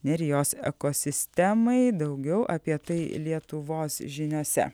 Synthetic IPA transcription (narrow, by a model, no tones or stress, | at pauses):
nʲɛɾʲjoːsɛ̰koːsʲɪsʲt̪ʲɛmɐɪd̪ɐʊɡʲɛʊʔɐpʲiɛt̪ɐɪlʲiɛt̪ʊʋoːsʒʲɪnʲoːsʲɛ̰